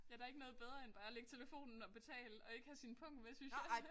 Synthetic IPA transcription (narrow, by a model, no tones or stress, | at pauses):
jɑd̥ɑ̈eɡ̥ənɔ̽ːð̩ˠbeð̞ˠʁɐenb̥ɑ̈ːæleɡ̥t͡sʰe̝ləfo̝̰ːnn̩ɒ̽b̥e̝t͡sʰɛ̰ːləɒ̽e̝ɡ̥əhæsinpʰɔ̽ŋ̰̥mesynsjɑ